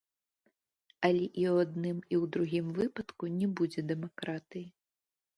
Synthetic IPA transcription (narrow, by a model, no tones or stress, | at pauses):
alʲɛʔiwad̪̚nɨmiwd̪ɾuɣʲimvɨpɐt̪kunʲɛbud͡zʲɛd̪ɛmakɾat̪ɨji